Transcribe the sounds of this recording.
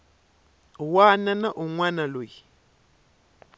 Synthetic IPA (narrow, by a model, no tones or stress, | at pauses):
wananaʔuŋwanaloji